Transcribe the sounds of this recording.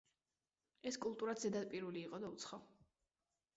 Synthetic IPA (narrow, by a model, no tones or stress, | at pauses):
ɛskʼulˠt̪ʼuɾad̪zɛd̪ad̪̚pʼiɾuliːqʼɔd̪aut̪sʰχa